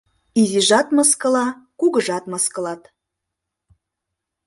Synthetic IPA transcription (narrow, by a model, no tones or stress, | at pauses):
iziʒɑt̪mɤskɤ̆lɑkuɡə̆ʒɑt̪mɑskɤ̆lɑt̪